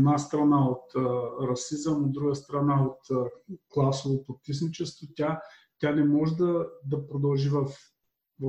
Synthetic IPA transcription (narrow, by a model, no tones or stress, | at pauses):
nast̪ɾɐnaot̪ːɾɐsizəmod̪̚ːɾuɡəst̪ɾɐnaot̪ːklˠasovopok̪ismit͡ʃɛst̪votʲa | t̪ʲanɛmɔʒɛd̪ɐd̪ɐpɾod̪ɐlˠʒivɐf | vɐ